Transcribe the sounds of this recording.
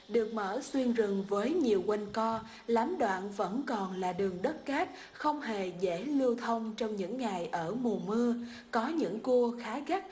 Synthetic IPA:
ɗɨ˨˩ək̚mə̰ː˧˩swi˧ənzɨ˨˩ŋvəː˨˦jɲi˨˩əwkwa˧jŋkɔ˧ | laː˨˦mɗwa̰ː˧˨nvə̰˧˥nkɔ˨˩nlaː˨˩ɗɨ˨˩əŋɗə˦˥t̚kaː˦˥t̚ | xə˧wŋ͡mhe˨˩zḛ˧˥lɨ˧wt̪ʰə˧wŋ͡mt͡ɕɔ˧wŋ͡mɲɨ̰˧˥ŋːa˨˩jʔəː˧˩mu˨˩mɨ˧ə | kɔ˨˦ɲɨ̰˧˥ŋku˧əxaː˨˦ɣa˦˥t̚

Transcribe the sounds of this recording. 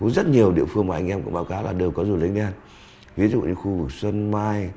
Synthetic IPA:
u˨˦zə˦˥t̚ɲi˨˩əwɗḭ˧˨əfɨ˧əŋmaː˨˩ʔa˧jŋ̟ʔɛ˧mkʊ̰˧˥ŋ͡mɓaː˨˦wkaː˨˦wlaː˨˩ɗe˨˩əwkɔ˨˦zu˨˩lï˨˦ŋ̟ɗa˧n | vi˨˦zṵ˧˨ɲɨ̰˧˦xu˧vɨ˨˩k̚swə˧nmaː˧j

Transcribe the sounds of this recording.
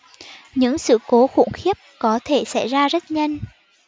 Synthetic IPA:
ɲɨ̰˧˥ŋsɨ̰˧˨ko˨˦xṵ˧˩əŋxi˦˥əp̚kɔ˨˦t̪ʰe˧˩sa̰˧˩jzaː˧zə˦˥t̚ɲə˧jŋ

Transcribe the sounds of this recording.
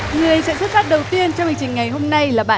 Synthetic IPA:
ŋɨ˨˩ə˦jsɛ̰˧˥sɨ˦˥t̚faː˦˥t̚ɗə˨˩wt̪i˧ənt͡ɕɔ˧wŋ͡mhi˧ŋt͡ɕï˨˩ŋ̟ŋa˨˩jɦo˧mna˧jlaː˨˩ɓaː˧˨

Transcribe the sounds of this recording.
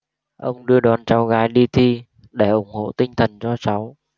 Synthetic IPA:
ʔə˧wŋ͡mɗɨ˧əɗwaː˨˩nt͡ɕa˨˦wɣaː˨˦jɗi˧t̪ʰi˧ | ɗe˧˩ʔʊ˧˩ŋ͡mho̰˧˨t̪ï˧ŋ̟t̪ʰə˨˩nzɔ˧sa˨˦w

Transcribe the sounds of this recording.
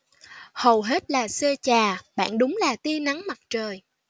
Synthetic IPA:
hə˨˩wɦe˦˥t̚laː˨˩səː˧t͡ɕaː˨˩ɓa̰ː˧˨nɗʊ˨˦ŋ͡mlaː˨˩t̪i˧əna˨˦ŋma˨˩t̚t͡ɕəː˨˩j

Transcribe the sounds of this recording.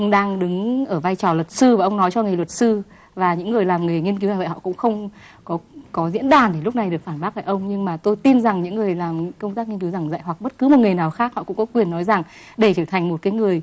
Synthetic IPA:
ʔə˧wŋ͡mɗaː˧ŋɗɨ˨˦ŋʔəː˧˩vaː˧jt͡ɕɔ˨˩lwə˨˩t̚sɨ˧vaː˨˩ʔə˧wŋ͡mnɔ˨˦jt͡ɕɔ˧ŋɨ˨˩jlwə˨˩t̚sɨ˧ | vaː˨˩ɲɨ̰˧˥ŋːɨ˨˩əjlaː˨˩mŋɨ˨˩əjŋi˧nki˨˦za˨˩v̰ə˧˨hɔ̰˧˨kʊ̰˧˥ŋ͡mxə˧wŋ͡m | kɔ˨˦kɔ˨˦zḭ˧˥ənɗaː˨˩nɗe˧˩lʊ˦˥k͡p̚na˨˩jɗɨ˨˩ək̚faː˧˩nɓaː˦˥ʔaː˧˨˩ʔə˧wŋ͡mɲɨ˧ŋmaː˨˩t̪o˧jt̪i˧nza˨˩ŋɲɨ̰˧˥ŋːɨ˨˩əjlaː˨˩mɲɨ˧˥kə˧wŋ͡mt̪aː˦˥k̚ŋi˧nki˨˦wza˨˩ŋza̰ː˧˨jwa˨˩k̚ɓə˦˥t̚kɨ˨˦mo˨˩t̚ŋɨ˨˩əjnaː˨˩wxaː˦˥k̚hɔ̰˧˨kʊ̰˧˥ŋ͡mkɔ˨˦kwi˨˩ənːɔ˨˦jza˨˩ŋ | ɗe˧˩t͡ɕəː˧˩t̪ʰa˨˩ŋmo˨˩t̚kaː˨˦jŋɨ˨˩əj

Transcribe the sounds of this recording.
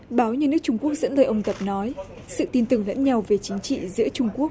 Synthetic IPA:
ɓaː˨˦wɲɨ˧nɨ˦˥ək̚t͡ɕʊ˧ŋ͡mku˦˥ək̚zə̰˧˥nləː˧˩jʔə˧wŋ͡mt̪ə˨˩p̚nɔ˨˦j | sɨ̰˧˨t̪i˧nt̪ɨ˨˩ŋlə̰˧˥nɲa˧wve˨˩t͡ɕï˨˦ŋ̟t͡ɕḭ˧˨zɨ̰˧˥ət͡ɕʊ˧ŋ͡mku˦˥ək̚

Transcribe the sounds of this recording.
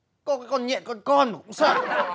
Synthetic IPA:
kɔ˧˦kaː˨˦jkɔ˧nɲɛ̰˧˨kɔ˨˧kɔ˧nma˨˩kʊ˧˥ŋ͡msəː˧˩

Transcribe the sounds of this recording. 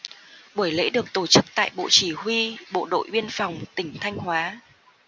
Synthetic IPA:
ɓu˧˩əjlḛ˧˥ɗɨ˨˩ək̚t̪o˧˩t͡ɕɨ˦˥k̚t̪a̰ː˧˨jɓo̰˧˨t͡ɕi˧˩hwi˧ɓo̰˧˨ɗo̰˧˨jɓi˧ənfa˨˩wŋ͡mt̪ï˧˩ŋ̟t̪ʰa˧jŋ̟hwaː˨˦

